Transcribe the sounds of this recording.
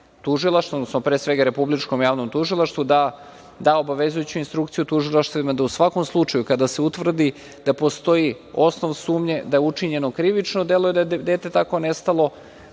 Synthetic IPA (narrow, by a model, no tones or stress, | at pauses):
t̪uʒilˠaʃt̪vod̪nosnopɾeːsʋe̞ɡaɾe̞publit͡ʂkomjaːʋnomt̪uʒilˠaʃt̪vud̪a | d̪ao̞baʋe̞zujut͡ɕuinst̪ɾuk̚t̪sijut̪uʒilˠaʃt̪aimad̪ausʋako̞mslˠut͡ʂajukad̪aseut̪ʋvr̩d̪i | d̪̥apo̞st̪o̞ji | o̞snoʋnsuːmɲe̞d̪ajeut͡ʂiɲe̞nokɾiʋit͡ʃnod̪e̞lujed̪ajed̪eːt̪e̞t̪ako̞nest̪alˠo̞